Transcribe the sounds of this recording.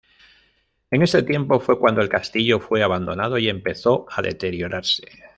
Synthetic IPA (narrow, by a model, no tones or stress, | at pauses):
e̞ŋe̞se̞t̪jempo̞fwe̞kwand̪oe̞lkast̪iʎo̞fwe̞aβand̪o̞nað̞o̞ie̞mpe̞θo̞aðe̞̰t̪e̞ɾjo̞ɾʔaɾse̞̥